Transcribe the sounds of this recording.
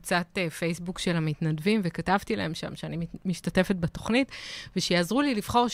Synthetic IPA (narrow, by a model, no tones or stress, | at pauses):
t͡sat̪efejsbukʃe̞lamitnadvimvekatavt̪ila̰e̞mʃa̰mʃeanimmiʃtate̞fe̞t̚bato̞χnitveʃejaːzʁuliliv̥χo̞ʁʃ